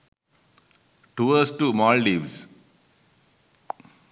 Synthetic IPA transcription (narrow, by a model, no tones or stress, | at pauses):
ʈuːəsʈuːmɔːlɖiʋs